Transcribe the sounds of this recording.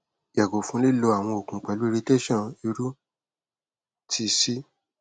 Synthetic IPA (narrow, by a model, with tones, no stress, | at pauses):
jɛ˨ɡo˨fũ˦li˦˨lo˧a˨w̃ɔ̃˧o˨kũ˨k͡pɛ˨lu˦e˧ɾi˦˧te˦ʃɔ̃˦˨i˧ɾu˦ | tʰi˧si˦